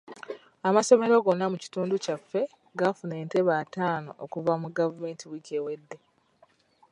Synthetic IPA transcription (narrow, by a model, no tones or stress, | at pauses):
amaso̞me̞ɾo̞ɡo̞nːamuci̥tuːnducafːe̞ | ɡafune̞ːnte̞βaːtaːno̞̰ʔokuvamuɡavume̞ːntiwikewe̞dːe̞